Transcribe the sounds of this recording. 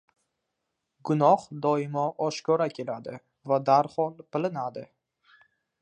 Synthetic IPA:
ɡʊnɒhd̪ɒɪmaʔɒʃkʰɒɾakʲʰe̞lad̪ɪ | vad̪aɾhɒlˠpɪlɪnad̪ɪ

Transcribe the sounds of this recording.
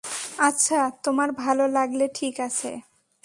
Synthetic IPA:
atːɕʰat̪omaɾbʱalolaɡleʈʰikat͡ɕʰḛ

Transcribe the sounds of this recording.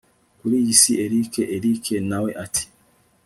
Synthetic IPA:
kuɾijisiʔeɾikʰɛʔeɾikʰɛnawɛʔatʰi̥

